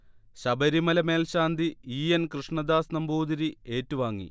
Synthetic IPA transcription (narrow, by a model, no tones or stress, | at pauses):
ɕɐbɐɾimɐlɐme̞ːlɕaːnd̪ʱiiːenkrɨʂɳɐd̪aːsnɐmbʱuːd̪iɾie̞ːtːuʋaːŋːḭ